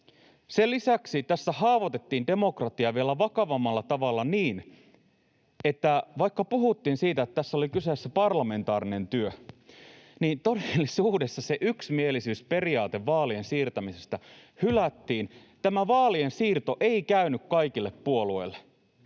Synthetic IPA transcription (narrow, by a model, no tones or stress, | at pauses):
selːisæksit̪æsːæhɑːʋot̪et̪ːiːnde̞mo̞krɑt̪iɑʋielːæʋɑkɑʋɑmːɑlːɑt̪ɑʋɑlːɑniːn | et̪ːæʋɑikːɑpuɦut̪ːiːnsiːt̪æt̪t̪æsːolikysesːepɑrlɑme̞nt̪ɑːɾine̞nt̪yø | niːnt̪odelːisuːdesːɑseʔyksmielisyːspe̞riɑːt̪eʋʋɑːliensiːrt̪æmise̞st̪æ | hylæt̪ːiːn | t̪æmæʋɑːliensiːrt̪o̞ʔe̞ikæynykkɑikilːeppuo̞luojlːe